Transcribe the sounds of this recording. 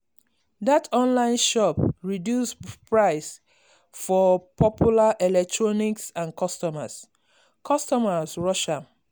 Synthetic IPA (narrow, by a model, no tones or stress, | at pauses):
ðatʰɔ̃nlãɪ̃nʃɔpɹidjuspɹaɪs | fɔpʰɔpʰjulaʔɛlɛk̚tʰɹɔniksãnkʰɔstɔma̰s | kʰɔstɔmasɹɔʃa